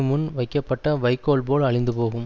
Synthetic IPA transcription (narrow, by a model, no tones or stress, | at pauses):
mʊnʋɐɪkːɐpːɐʈːɐʋɐɪkːoːlboːɭɐɻɪnd̪ɯpoːɣɯm